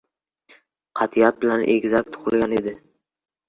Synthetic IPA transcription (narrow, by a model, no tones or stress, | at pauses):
qʰɑt̪ʰijat̪̚bɪlanʔḛɡʲzak̚ʲt̪ʰːʊ̥χɨlˠɡʲane̞d̪ɪ